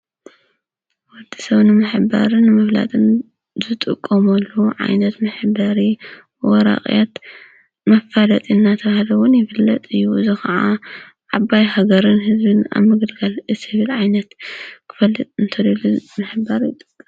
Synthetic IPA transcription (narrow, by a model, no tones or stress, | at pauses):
wɔd̪isɐβnɨmɨħba̰ɾɨnːɨmɐβla̰t̪ʼɨn | zɨt̪ʼɨkʼːɐmɐlːuʕa̰jnɐt̪mɨħbaɾi | wɔɾa̰χʼjat̪ | mɐfalɐt̪ʼinːat̪ʰɐβahalɐwʊnjɪfɨlːɐt̪ʼɨjːuzɨxaʕa | ʕabajhaɡɐɾɨnɦɨzbɨna̰βmɨɡɨlɡalɨsɨβilʕajnɐt̪kʰɨ̥fɐlːɨt̪ʼɨnt̪ʰɐd̪ɐlumɨħbaɾjɪt̪ʼːɨkʼːɨm